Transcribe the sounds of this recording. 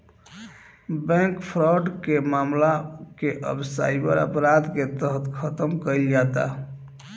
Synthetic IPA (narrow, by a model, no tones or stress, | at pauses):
bɛ̃kpʰɾɔɖkemamlakeʔə̰bsa̰ipə̰ɾə̰pɾad̪ket̪əɦət̪kʰət̪əmkəjld͡ʒat̪a̰